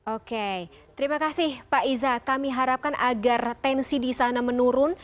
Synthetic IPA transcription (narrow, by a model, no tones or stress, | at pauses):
ʔoke | t̪əɾimakasɪhpaizakamiɦaɾap̚kanaɡart̪ɛnsidisanamənuɾʊn